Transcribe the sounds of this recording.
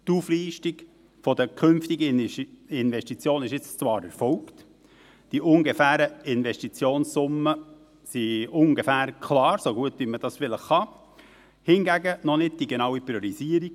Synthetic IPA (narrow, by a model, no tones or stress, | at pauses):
tufliːʃtiɡ | fɔdəkʰʏnftiɡəɪnʋɛʃtit͡sjoːnɪʃɪt͡st͡svɑːɾɛɾfɔʊkt | d̥iʔʊŋɡefæːɾəɪnʋɛʃtit͡sjoːnssʊmːə | siʊŋɡefæːɾkʰlɑːɾsoɡuət̚dyməd̥ɑsfɪləχɑ | hɪnɡæɡənɔnɪd̚d̥iɡenɑwipɾioɾiziːəɾiɡ̥